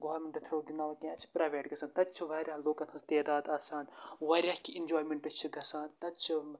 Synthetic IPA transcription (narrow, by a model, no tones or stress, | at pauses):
ɡɐʋɐɾmeɳʈɖɐt̪ʰɾoːɡʲinaːʋɐt̪ʲĩːɐt͡ʃʰi̥pɾaːʋeːʈɡɐsaːnt̪ɐt͡ʃʰiʋɐːɾʲaːloːkɐnhɐzt̪eːd̪aːd̪aːsaːnʋɐɾʲaːhkʲiind͡ʒoːjmeɳʈɐt͡ʃʰiɡɐsaːnt̪ɐt̪t͡ʃʰi